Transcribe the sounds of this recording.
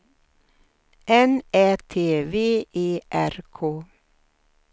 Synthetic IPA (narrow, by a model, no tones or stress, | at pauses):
ʔɛnɛːt̪ʰeːʋeːʔeːʔæɾkʰoː